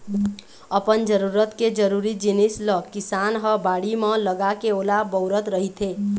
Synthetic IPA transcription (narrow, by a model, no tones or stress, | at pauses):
əpənd͡ʒəɾuɾət̪ked͡ʒəɾuɾid͡ʒinisləkisanɦəbaɽimə̃ləɡakeoːlabəʊɾət̪ɾəɦit̪ʰe